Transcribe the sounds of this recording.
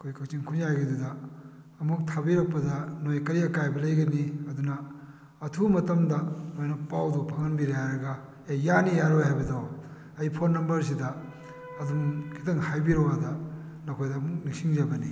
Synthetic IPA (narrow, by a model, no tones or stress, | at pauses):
ɐkʰojkʰɐk̚t͡ʃiŋkʰunzajɡidudɐː | muk̚tʰabiɾɐk̚pːɐdɐnojkɐɾiɐkajbɐlɐjɡɐniɐdunɐː | tʰumɐtɐmdɐnojnɐpawdupʰaŋɐnbiɾajaɾɐɡɐ | ajanijaɾojhajbɐdow | ɐjpʰonːɐmbɐɾs̬idɐː | dumkʰitɐŋhajbiɾoɡadɐ | nɐkʰojdɐːmuk̚nik̚siŋzabɐni